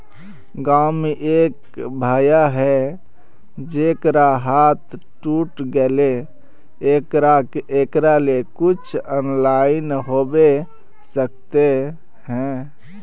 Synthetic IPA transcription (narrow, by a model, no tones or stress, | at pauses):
ɡameʔek | bʱajaɦɛ | d͡ʒekɾaɦat̪ʰ | ʈuʈɡele | ɾaekɾalekut͡ʃʰənlainɦobe | sək̚t̪e | hɛ̃